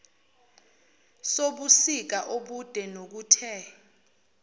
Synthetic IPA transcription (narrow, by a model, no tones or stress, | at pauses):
soɓusik̬aʔoɓud̥ʱɛnok̬uːtʰɛ